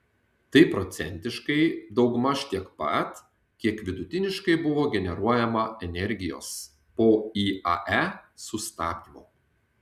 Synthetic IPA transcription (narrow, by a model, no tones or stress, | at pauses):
t̪ɐɪpɾɔt̪sʲɛnʲt̪ʲɪʃkɐɪd̪ɒʊɡmɐʃʲt̪ʲiɛkpɐ̰t̪ | kʲiɛkʋʲɪd̪ʊt̪ʲɪnʲɪʃkɐɪbʊʋoːɡʲɛnʲɛɾuɔjɛmɐɛnʲɛɾʲɡʲɪjo̰ːs | poːiːɐ̰ʔæsʊst̪ɑːt̪ʲimoː